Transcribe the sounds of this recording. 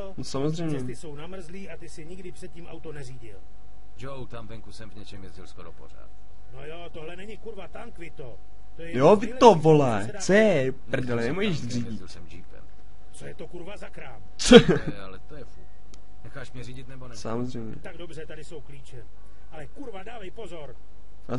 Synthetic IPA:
nosamozr̝ɛjmɲɛt̪ɪso̞wnamr̩zliːʔat̪ɪsɪɛɲɪɡdɪpr̥ɛt̪̚cimʔa̰wt̪onɛriːɟɪl | d͡ʒowt̪amvɛŋkusɛmvɲɛt͡ʃɛmjɛzɟɪlskoɾopora̰ːt̪ | nojot̪oɦlɛnɛɲɪkuɾvat̪aŋkvɪt̪o | t̪ojɛjovɪovolaj | t͡sojɛ | pr̩dɛlɛnɛmuʒɛʃriːɟɪlɛmd͡ʒipɛ̰m | t͡sojɛt̪okuɾvazakɾaːm | t͡so | alɛt̪ojɛfut | nɛxaːʃmɲɛriɟɪt̪nɛbonɛsa̰mozrɛjmɲ̰ɛ̰t̪aɡdobr̝ɛt̪adɪso̞wkliːt͡ʃɛ | ʔalɛkuɾvadaːvɛjpo̞zo̞ɾ | a

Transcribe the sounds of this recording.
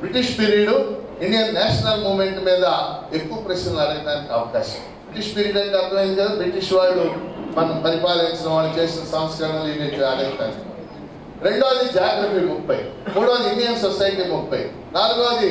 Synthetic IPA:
bɾiʈiʂpiɾiɽu | inɖijɐnnaːʃɐnɐlmuːʋmeɳʈmiːd̪ɐekːuʋɐpɾɐsɐɐɐɽɐɡind̪aːnikiɐʋɐkaːʃɐmbɾiʈiʂpiːɾiːɖɐnikɐt̪ːɐmẽnit͡ʃed̪bɾiʈiʂʋaːjɽumɐnɐmpɐɾipaːlɐnt͡ʃinɐʋaːɭːɐt͡ʃe̞ːsinɐsɐmɐsjɐnɐliːɖijɐd͡ʒaːɾɐt̪ɐn | ɾe̞ɳɖoːd̪id͡ʒaaɡɾɐpimupːɐjmuːɽoːd̪iinɖijɐmsosɐjʈimupʰːɐj̰ | naːluɡoːd̪i

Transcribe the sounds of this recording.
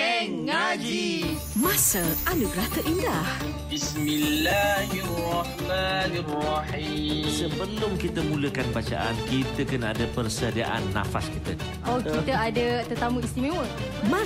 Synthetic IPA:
ɛŋːad͡ʒi | mãsəʔaluɡəɾat̪əʔindah | bismilːaɦirɑhmaniraħimsəbənt̪ʊŋkit̪əmũləkanbat͡ʃa̰ʔa̰nkit̪əkənaadapərsədia̰ʔa̰nːa̰fa̰skit̪ə | okit̪əadət̪ət̪amuist̪imẽwə | mã

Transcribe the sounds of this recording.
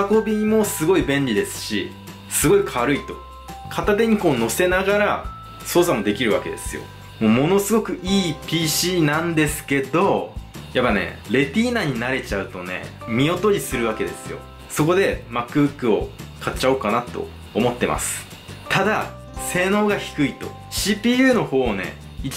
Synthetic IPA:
ako̞bʲimo̞sɨɡo̞ibẽ̞ɲɾʲid̪e̞sɨ̥ɕi | sɨɡo̞ikʰaβaɾɯit̪o̞̥ | kʰat̪at̪̬e̞ɲ̟iko̞ːno̞se̞naɡaɾa | so̞ːsamo̞d̪e̞kʲiɾɯ̟βake̞d̪e̞sɨjo̞̰ | mo̞ːmo̞no̞sɨɡo̞kɯ̟ʔiːpʲiːɕiːnãnd̪e̞sɨ̥ke̞d̪o̞japːane̞̰ɾe̞tʲiːnaːɲ̟inaɾe̞t͡ɕaɯ̟t̪o̞ne̞̰ | mʲio̞t̪o̞ɾʲisɨɾɯ̟βake̞d̪e̞sɨjo̞̰ | so̞ko̞d̪e̞makːɯ̟bɯ̟kːɯo̞kʰat͡ɕːao̞ːkanat̪o̞̰ː | mo̞t̪ːe̞ma̰sɨ̥ | t̪ad̪a | se̞ːno̞ːɡaçi̥kɯ̟it̪o̞̰ | ɕiːpʲiːjɯ̟ːno̞ho̞ːne̞̰ | i

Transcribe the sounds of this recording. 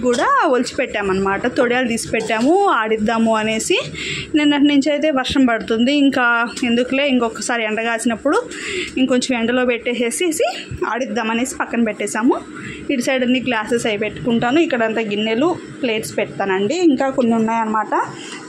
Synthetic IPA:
kuːɽaːolt͡ʃi̥pɛʈːaːmɐnːɐmaːʈɐt̪oɽijaːld̪iːsi̥pɛʈːaːmuaːɽid̪ːaːmuɐne̞ːsi | neːnːɐniɲt͡ʃɐjt̪̬e̞ːʋɐɾʂɐmpɐɽut̪und̪iːŋkaːe̞nd̪ukule̞ːiŋkɔkːɐsaːɾiɛɳɖɐɡaːsinɐpːuɽuiŋkoɲt͡ʃɐmʋɛɳɖɐlo̞ːpeʈːeːse̞ːsiːsia̰ːɽid̪ːaːmɐne̞ːsi̥pɐkːɐnɐpɛʈːɛːʃaːmu | iɖisɐjɽɐnːiːɡlaːsesɐjpeʈːu̥kuɳʈaːnuikːɐɽɐnt̪aːɡinːelu | pleːʈspɛʈt̪aːnɐɳɖiːŋkaːkonːiunːaːjɐnɐmaːʈɐ

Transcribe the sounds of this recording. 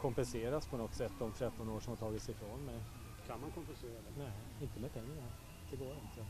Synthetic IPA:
kʰɔmpɛnseːɾaspʰɔnɔt̪ːsɛt̪ːd̪ɔmt̪ʰɾɛt̪ːɔnoːʂɔmhaʈ̪ʰɑːɡɪt̪sɪfɾoːnmɛj | kʰanmankʰɔmpɛnseːɾad̪ɛnæ | ɪnt̪əmɛpʰɛŋːaaɾ | d̪̥ɛɡoːɾɪnt̪ʰə

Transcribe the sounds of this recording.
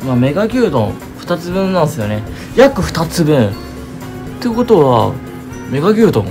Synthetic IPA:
mame̞ɡaɡʲɨːt̪õ̰ | ɸɯ̟̥t̪at͡sɨbɯ̟̃nːãɰ̃sɨjo̞ne̞ | jakɯ̟ɸɯ̟̥t̪at͡sɨbɯ̟̃ɴ | t̪ːeko̞t̪oβa̰ | me̞ɡaɡʲɨ̟ːt̪õn

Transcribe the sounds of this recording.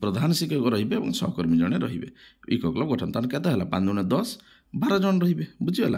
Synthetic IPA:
pɾɔd̪ʱanɔsikɔɾkɔɾɔɦibeːbɔ̰̃ŋsɔɦɔkɔɾmid͡ʒɔɽ̃eɾɔɦibḛḭkɔklɔb̚ɔɡɔʈʰɔnt̪anket̪ɔɦelapanuñed̪ɔs | baɾɔd͡ʒɔñɔɾɔɦibebud͡ʒibela̰

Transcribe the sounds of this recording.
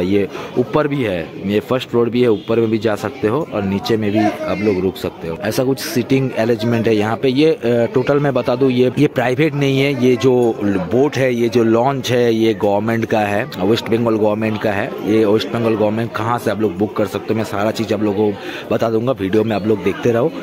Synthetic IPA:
ijeuːpːəɾbʱiɦɛːjefʰəɾsʈfɾoːɖbʱiɦɛuːpːəɾmẽbʱid͡ʒaːsɐk̚t̪eɦoʔɔ̰ːɾniːt͡ʃemẽbʱiɐbloːɡɾʊːkʰsɐk̚t̪eɦoːɛːsakʊt͡ʃʰsɪʈɪ̃ŋɡɛːɾed͡ʒmẽɳʈɦɛjɐɦãpejeʈoːʈəlmẽbɐt̪aːd̪ũjejepɾaːɪʋeːʈnɐɦĩɦɛjed͡ʒoːboːʈɦɛjed͡ʒoːlɔ̃ːɲt͡ʃɦɛjeɡɔːʋəɾmẽɳʈkaɦɛːɪsʈbɛ̃ŋɡɔlɡɔːʋəɾmẽɳʈkaɦɛːjeɪsʈbɛ̃ŋɡɔlɡɔːʋɾmẽɳʈ̚kɐɦãseɐbloːɡ̚bʊkːɐɾsɐk̚t̪eɦõmɛ̃saːɾat͡ʃiːzɐbloːɡobɐt̪ad̪ũːŋɡaʋiːɖijomẽɐbloːɡ̚d̪eːkʰt̪eɾɐɦoː

